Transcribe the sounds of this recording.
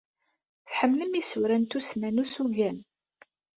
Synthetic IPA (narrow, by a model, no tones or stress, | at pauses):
θħəmːləmisuwɾænt̪usnænusuʝæn